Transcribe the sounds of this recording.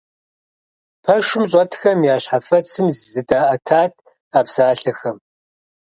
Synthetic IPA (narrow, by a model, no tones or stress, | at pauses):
pʰɐʂɪmɕ̬ʼɔtʰxɐmjaːɕħafɐt͡sʰɨmzzɨdaːʔɐtʰaːt̚ʰ | aːpsaːɬɐxɐm